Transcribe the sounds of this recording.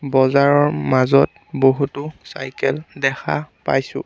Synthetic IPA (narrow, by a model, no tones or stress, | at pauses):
bɔzaɹɔɹmazɔt̚ | boɦutʊsa̰jkɛldɛxʰa̰pajsʊ̰̃